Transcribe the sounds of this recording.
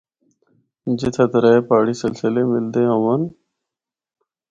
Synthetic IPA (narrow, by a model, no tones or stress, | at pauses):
d͡ʒɪt̪ʰət̪ɾeːpaːɽiːsɪlsɪleːmɪld̪eːɦəʋən